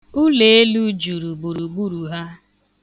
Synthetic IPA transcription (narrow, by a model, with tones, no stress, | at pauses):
u˦le˨e˦lu˦d͡ʒu˨ɾu˨ɡ͡bu˨ɾu˨ɡ͡bu˦ɾu˨ɦa˦